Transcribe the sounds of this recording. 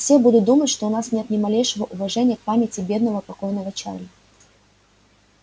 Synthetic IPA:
fsʲebud̪ʊt̪̚d̪umətʲʂt̪oʊnasnʲe̞t̪nʲɪmɐlʲejʂɨvəʔʊvɐʐɛnʲɪjəkpamʲɪtʲɪbʲe̞d̪nəvəpɐko̞jnəvət͡ɕa̰rlʲə

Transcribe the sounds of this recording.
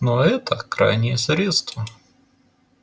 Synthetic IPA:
noɛt̪əkɾa̰jnʲɪjəsɾʲet̪st̪və

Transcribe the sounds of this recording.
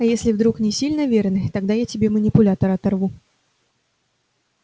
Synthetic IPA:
ɐjesʲlʲɪvd̪ɾuknʲɪsʲilʲnəvʲernɨt̪ɐɡd̪ajatʲɪbʲemənʲɪpʊlʲat̪əɾɐt̪ɐrvu

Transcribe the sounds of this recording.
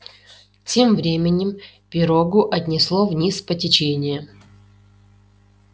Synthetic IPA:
tʲe̞mvɾʲemʲɪnʲːɪm | pʲɪɾoɡʊʔɐtʲnʲɪslˠovnʲispətʲɪt͡ɕenʲɪjə

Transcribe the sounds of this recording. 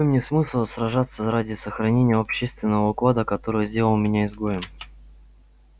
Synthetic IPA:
ojmnʲesmɨsʲlˠsrɐʐat̪səɾadʲɪsəxɾɐnʲenʲɪjəɐpɕːest̪vʲɪnːəvəʊklˠad̪əkɐt̪o̞ɾɨjzʲdʲe̞ləlˠmʲɪnʲaɪzɡojɪm

